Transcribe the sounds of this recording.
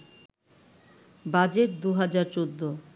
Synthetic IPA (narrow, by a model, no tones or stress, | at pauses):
bad͡ʑet̪̚d̪uɦad͡ʑaɾt͡ɕod̪ːo